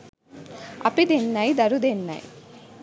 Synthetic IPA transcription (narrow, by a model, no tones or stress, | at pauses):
ɐ̰pid̪enːɐjd̪ɐɾud̪enːɐ̰j